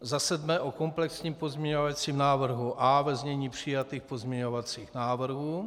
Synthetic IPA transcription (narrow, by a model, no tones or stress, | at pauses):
zasɛd̪mɛʔoko̞mplɛksɲiːmpo̞zmɲɛɲovat͡siːmnaːvr̩ɦuʔavɛzmɲɛɲiːpr̝̥ɪjat̪iːxpo̞zmɲɛɲo̞vat͡siːxnaːvr̩ɦuː